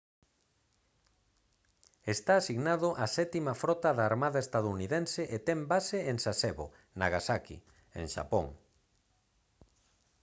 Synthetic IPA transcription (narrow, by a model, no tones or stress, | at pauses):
est̪aːsiɣnaðʊʔasɛt̪imafɾɔt̪aðaːɾmaðaest̪aðouniðensɪʔet̪ɛmbaseeŋsasɛβo̰ | naɣasakḭ | ḛŋʃa̰poŋ